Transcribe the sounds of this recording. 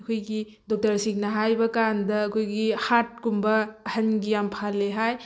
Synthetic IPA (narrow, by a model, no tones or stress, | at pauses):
ɐkʰojɡi | dok̚tɐɾsiŋnɐɦajbɐkandɐːkʰojɡihat̚kumbɐɐhɐnɡijampʰalːeɦaj